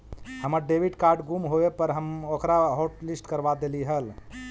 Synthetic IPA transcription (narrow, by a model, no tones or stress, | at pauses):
həməɾɖebʱiɖkaɾɖɡumɦoepəɾɦəmokɾaɦoʈlisʈkəɾbad̪eliɦəl